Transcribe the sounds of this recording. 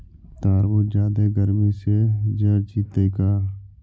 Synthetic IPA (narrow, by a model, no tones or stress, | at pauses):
t̪aːɾbud͡ʒaːd̪eɡəɾmised͡ʒəd͡ʒit̪ekaː